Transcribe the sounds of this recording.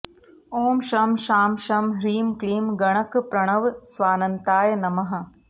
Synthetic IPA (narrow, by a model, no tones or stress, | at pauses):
oːmʃɐmʃaːmʃɐmɾiːmkɭiːmɡɐɳ̃ɐkpɾɐɳ̃ɐʋsʋaːnɐnt̪aːjɐnɐmɐɦɐ̆